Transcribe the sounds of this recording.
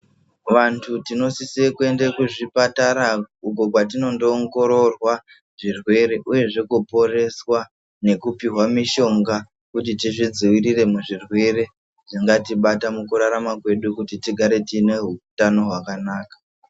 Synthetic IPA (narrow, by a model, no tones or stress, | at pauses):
ʋantʰutino̞sisikue̞nde̞kuʐipataɾauko̞kwatino̞ndoːŋɡo̞ɾo̞rwa | ʐirwe̞ɾe̞ʔuje̞ʐekupo̞re̞swa | ne̞kupiɦwamiʃo̞ŋɡa | kutitiʐid͡ziwirire̞muʐirwe̞ɾe̞ | ʐ̥iŋɡatiɓatamukuɾaɾamakwe̞ɗukutitiɡʱaɾe̞tiːne̞ɦutano̞ɦwakanaːkḁ